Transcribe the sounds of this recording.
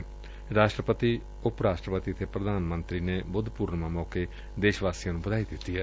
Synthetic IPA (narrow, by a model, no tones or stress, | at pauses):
ɾaːʃʈɾəpət̪iː | ʊpɾaːʃʈɾəpət̪iət̪ʰeːpɾəd̪ʱaːnmə̃nt̪ɾiːnebʊd̪ʱpuːɾnmãːmɔːke | d̪eːʃʋaːsijãːnũːbəd̪aːid̪ɪt̪ːiːɦɛː